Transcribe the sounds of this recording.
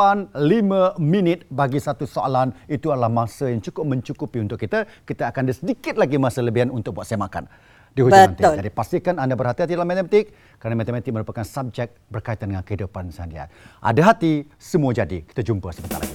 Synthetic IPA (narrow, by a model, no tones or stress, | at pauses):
anlimãminɪt̪̚baɡisat̪usoa̰lanit̪uadəlahmãsəjaŋt͡ʃukʊp̚məɲt͡ʃukupiunt̪ʊkːit̪akit̪aːkandisədikɪt̪̚laɡimasələbiɦanunt̪ʊk̚buat̪̚sajmaka̰n | diɦuant̪ɪd͡ʒadipast̪ikanandabərɦat̪iɦat̪̬idalamɛt̪ɛmt̪ɪk̚ | kːəɾanamɛt̪əmɛt̪iməɾupakansab̚d͡ʒɛk̚bərkait̪andəŋankəhidupansəandia̰ʔa̰daɦat̪isəmuad͡ʒadḭki̥t̪ad͡ʒumpəsəbət̪a̰la̰ɡi